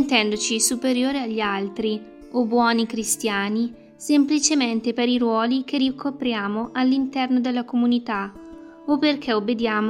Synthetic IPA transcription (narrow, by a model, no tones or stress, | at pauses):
nt̪ɛnd̪ot͡ʃisupeɾjoːɾeaʎːialt̪ɾi | obːwɔːnikɾist̪jaːni | semplit͡ʃement̪epeɾiɾwɔːlik̟erikʰːopɾjaːmoʔalːint̪ɛrnod̪elːakomunit̪a | opːerk̟ʰeobːed̪jaːm